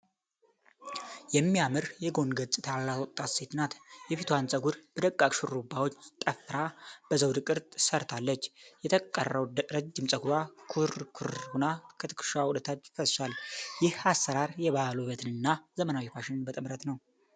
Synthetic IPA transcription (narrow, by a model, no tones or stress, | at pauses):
jɛmːijamɨɾjɛɡo̞nɡət͡sʼɨt̪ʰallat̪wɔt̪ʼːat̪se̞t̪ɨnat̪jɛfit̪ʰuansʼəɡuɾb̥əd̪əkʼːakʃɨɾubawo̞t͡ʃːt̪ʼəfɾab̥əzəwd̪ɨkʼɨɾt̪ʼsəɾt̪ʰalːət͡ʃːjɛt̪ʰəkʼə̰rəwɾəd͡ʒːɪmsʼəɡuɾwakʰuɾkʰuɾunakʰət̪ʰɨ̥kɨ̥ʃawud̪ət̪ʰat͡ʃːfəsʃaljɪhasːəɾaɾjɛβahaluβət̪ʰɨnɨnːazəmənawifaʃɪnɨnbət̪ʼɨmɾət̪nəw